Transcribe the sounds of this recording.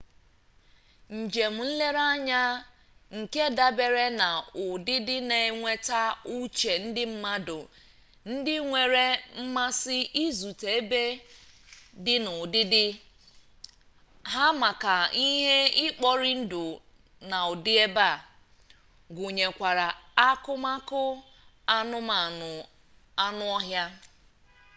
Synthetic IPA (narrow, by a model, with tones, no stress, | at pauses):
n̩˨d͡ʒe˨m̩˨n̩˦le˦ɾa˦ɲa˦ | ŋ̩˨ke˦da˦be˨ɾe˦na˨ʊ˨dɪ˦dɪ˦ne˨ŋʷe˦ta˦u˦t͡ʃe˨n̩˦dɪ˦m̩˦ma˦dʊ˨ | n̩˦dɪ˦ŋʷe˨ɾe˦m̩˦ma˦sɪ˦ʔi˦zu˨te˨e˦be˦ | dɪ˦nʊ˨dɪ˦dɪ˦ | ɦa˦ma˨ka˨i˦ɦe˦ɪ˦k͡pɔ˦ɾɪ˦n̩˦dʊ˨ | na˨ʊ˨dɪ˦e˦ba˦˨ | ɡʊ˨ɲe˨kʷa˨ɾa˨a˦kʊ˦ma˦kʊ˦ | a˦nʊ˦ma˨nʊ˨ | a˦nʊ˦ɔ˦ɦja˦